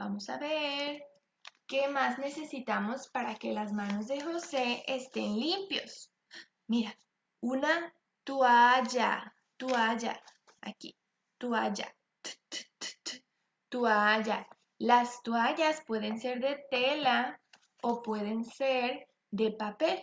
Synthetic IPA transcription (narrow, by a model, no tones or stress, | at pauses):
bamo̞sa̰βeɾ | ke̞mazne̞se̞sit̪amo̞spaɾake̞lazmãno̞zðe̞xo̞se̞est̪e̞nlimpjos | miɾa | una | t̪uaʝa̰ | t̪uaʝa̰ | a̰kḭ | t̪uaʝa̰ | t̪uaʝa | last̪uaʝaspwe̞ðe̞nse̞ɾðe̞t̪e̞la | opwe̞ðe̞nseɾ | d̪e̞papel